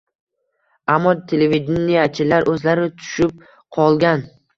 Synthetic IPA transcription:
amːɒt̪ʰelevid̪enːijat͡ʃʰɪlaɾʔɵzlaɾɪt̪ʰʊ̥ʃɪp̚ | qʰɒlˠɡʲan

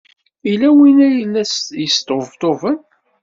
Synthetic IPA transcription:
ilæwinæjlːæsjəst̪ovt̪ovən

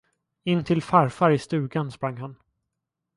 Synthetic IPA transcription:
ɪnːt̪ʰɪlfaɾfaɾɪst̪ʉ̟ːɡanspɾaŋːɦan

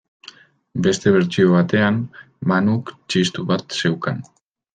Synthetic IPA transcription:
be̞st̪e̞β̞e̞ɾt͡ʃio̞β̞at̪e̞am | manukt͡ʃist̪uβat̪se̞wkan

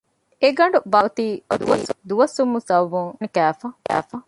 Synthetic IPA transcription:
eɡɐɳ̆ɖubɐt̪iːd̪ṵʋɐsd̪uʋɐsumːusɐwʋːuŋnikæːfɐkæ̰ːfɐ

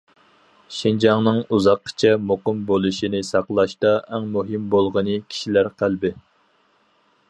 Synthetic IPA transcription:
ʃind͡ʒɑŋnɨŋuzɑqʰːt͡ʃʰɛmoqəmbolˠuʃinɪsɑqlˠɑʃt̪ɑʔɛŋmuɦɨmbolˠʁənɨkʲʰi̥ʃilæɾqʰælbɪ

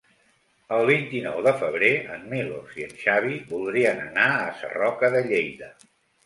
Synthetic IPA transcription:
əlˠβint̪inɔwðəfəβ̞ɾeənːeloziənʃaβiβulˠd̪ɾiənə̰naəsə̰rɔkəðəʎejðə

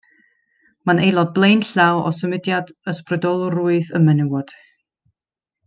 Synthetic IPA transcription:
manejlˠɔd̚blˠejnɬawɔ̰səmɪdjadəsprɨdɔlˠʊruɨðəmɛnɪwɔd̥

